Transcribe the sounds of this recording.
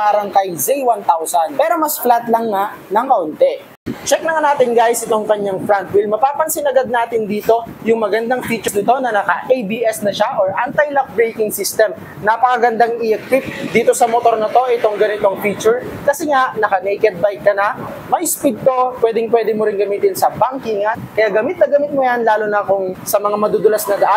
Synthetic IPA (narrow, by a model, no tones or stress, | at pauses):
aːɾɐŋkɐjzɛjwant̪awsɐnpɛːɾo̞mɐsflat̪lɐŋːaʔ | nɐŋkɐʔʊnt̪ɛ | t͡ʃɛk̚nɐŋanaːt̪ɪŋɡajsʔɪt̪o̞ŋkɐɲːaŋfɹant̪̚wɪlmɐpaːpɐnsɪnɐɡad̪̚naːt̪ɪnd̪iːt̪o̞jʊŋmɐɡɐnd̪aŋfiːt͡ʃʊsnɪt̪o̞nɐnɐkɐʔejbiːʔɛsnɐʃaʔoɹʔant̪ɐjlak̚bɹejkɪŋsist̪ɛm | nɐpɐkɐɡɐnd̪aŋɪʔɛkwɪp̚d̪iːt̪o̞sɐmot̪o̞ɾnɪt̪o̞ʔɪt̪o̞ŋɡɐnɪt̪o̞ŋfiːt͡ʃʊɹkɐsɛŋaʔnɐkɐnɛjkɛd̪̚bajkːɐnɐ | mɐʔɪspid̪̚t̪opwɛːd̪ɪŋpwɛːd̪ɪmʊɾɪŋɡɐmiːt̪ɪnsɐbaŋkiŋɐkɐjaɡɐmit̪̚nɐɡɐmɪt̪̚mʊjanlaːlʊnɐkʊŋsɐmɐŋamɐd̪ud̪ɐlɐsnɐd̪ɐʔa